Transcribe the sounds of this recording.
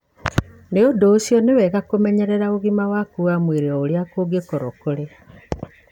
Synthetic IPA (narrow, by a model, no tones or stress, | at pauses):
neodoːsijɔnewɛɣakomɛɲɛɾɛɾaoɣimawakuamweɾeɔoɾeakoːɡekɔɾɔkoɾe